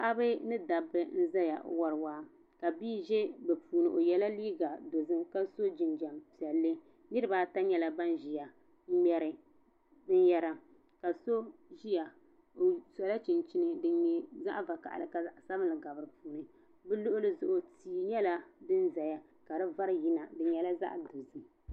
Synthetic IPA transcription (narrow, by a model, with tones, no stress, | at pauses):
a˦ʔa˦bɨ˦nɨ˦da˨bɨ˦n̩˦za˦ja̰˨˦wa˨ɾɨ˨waː˦ | ka˨biː˦ʒɛ˦bɛ˨puː˨nɨ˨ʔo˨jɛ˨la˦liː˦ɡa˨do˨zɨ˦ka˦so˦d͡ʒɪ˨nd͡ʒa˨mpi˨ɛ˨lːɨ˦ | nɨ˦ɾɨ˦baː˦ta˦ɲɛ˦la˨ba˦nʒi˨ja˨ | m̩˦m˦ɛ˦ɾɨ˨ | dɨ˦n˦jɛ˦ɾa˦ | ka˨so˦ʒi˦ja˨ | o˨sɔ˨la˦t͡ʃi˨nt͡ʃi˦nɨ˨dɨ˨˦ɲɛ˨za̰˦ʔva˨ka̰˨ʔlɨ˨ka˨˦sa˦bɨ˦lɨ˨ɡa˨bɨ˨ɾɨ˨puː˦nɨ˨ | bɛ˦lo˦ʔʊ˦lɨ˦zʊ˦ʔo˦tiː˨˦ɲɛ˦la˦dɨ˦nza˨ja˦ | ka˨dɨ˦va˦ɾji˦na˨dɨ˨ɲɛ˨la˦za̰˦ʔdo˨zɨ˦